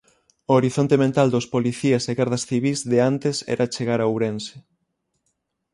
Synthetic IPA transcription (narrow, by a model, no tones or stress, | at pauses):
ooɾiθont̪emẽnt̪ald̪ospoliθiaseɣaɾðɐsθiβ̞izðeant̪esɛ̰ɾʔat͡ʃeɣaɾawɾense